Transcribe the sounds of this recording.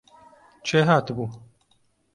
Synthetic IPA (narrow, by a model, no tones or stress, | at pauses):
t͡ʃʰeɦaːt̪buː